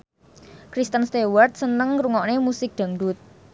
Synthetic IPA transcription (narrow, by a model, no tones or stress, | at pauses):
kɾist̪ənst̪ewart̪̚sənəŋɾuŋɔʔnemusɪk̚d̪̥a̤ŋdʊt̪̚